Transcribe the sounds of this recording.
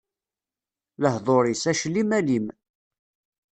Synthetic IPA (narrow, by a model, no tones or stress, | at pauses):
ləhðˤoɾˤisæʃlimælim